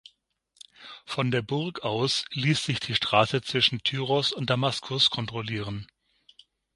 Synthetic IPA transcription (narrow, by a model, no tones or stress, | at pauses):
fɔndeːɐbʊʁɐkaʊsliːsz̥ɪçd̥iːʃtʁ̥aːsət͡sv̥ɪʃn̩tʰyːʁɔsʊntd̥amaskʰʊskʰɔntʁ̥oliːʁ̞ən